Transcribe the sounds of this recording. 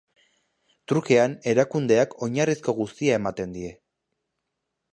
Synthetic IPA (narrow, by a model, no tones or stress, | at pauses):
t̪ɾuke̞ane̞ɾakund̪e̞akʰo̞ɲarisko̞ɣust̪iae̞mat̪e̞nd̪ie̞